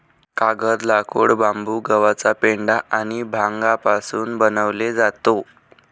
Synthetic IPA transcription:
kaɡəɾlakʰo̰ɽbambuːɡəʋat͡sapeɳɖaʔañibʱãŋɡapasuːnbənəʋled͡zat̪o

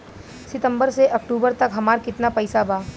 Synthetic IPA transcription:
sɪt̪ə̃mbəɾseʔɐk̚ʈuːbəɾt̪ɐkɦɐmaːɾkɪt̪napɐɪsabaː

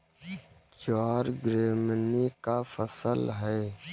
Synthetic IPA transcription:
t͡ʃaːɾɡɾeːmnikafəsəlɦɛː

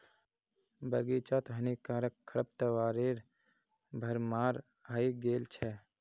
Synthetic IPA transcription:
bɐɡit͡ʃat̪ɦɐnikaːɾəkʰːəɾəp̚t̪əʋaːɾeːɾ | bʱɐɾmaːɾ | ɦaiɡeːlt͡ʃʰɛ

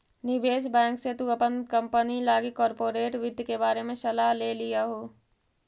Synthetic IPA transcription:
nɪʋeːsbɛ̃ːŋkset̪uəpənkɐ̃mpənilaːɡikɔːɾpoːɾeːʈʋɪd̪ʱjkebaːɾemẽsɐlaːɦleːlijaɦoː

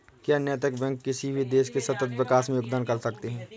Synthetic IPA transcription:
kjaənjət̪̬əkbɛ̃ːŋkːɪsibʱid̪eːʃkesɐt̪ət̪ʋɪkaːsmẽjoːɡ̚d̪aːnkɐɾsɐkt̪eɦɛ̃ː

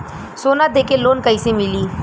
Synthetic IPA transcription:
soːnad̪eːkeloːnkəisemɪliː

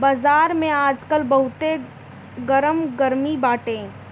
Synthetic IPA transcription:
baːzaːɾmẽaːd͡ʒkəlbɐɦʊt̪e | ɡəɾəmɡəɾmibaːʈẽː

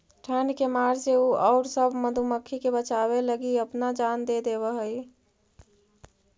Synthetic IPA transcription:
ʈʰənkemaɾseuɔʊɾsəbʱməd̪ʱuməkʰːikebət͡ʃaweləɡiəpnad͡ʒand̪ed̪ebəɦəi

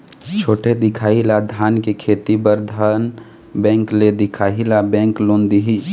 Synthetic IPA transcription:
t͡ʃʰoːʈʰed̪ɪkʰaːilad̪ʱaːnkekʰeːt̪ibəɾd̪ʱan | bɛ̃ːŋkled̪ɪkʰaːɦilabɛ̃ːŋkloːnd̪iɦi

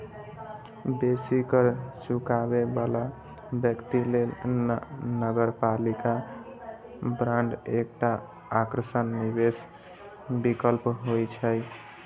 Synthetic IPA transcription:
besikəɾsukabebala | bjəkt̪ilel | nəɡəɾpalika | bɾãɳɖek̚ʈa | akɾəsənːibes | bikəlpɦojt͡ʃʰəj

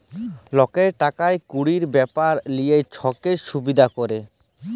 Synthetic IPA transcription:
lɔkeɾʈakaekuɽiɾbɛpaɾlijejt͡ɕʰɔkeʃubid̪ʱakoɾe

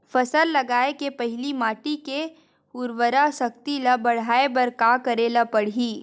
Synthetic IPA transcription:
fɐsəlːɐɡaːekepɐɦɪlimaːʈike | ʊɾʋəɾaʃɐk̚t̪ilɐbɐɽ̤aːebɐɾkaːkɐɾeːlapɐɽ̤iː

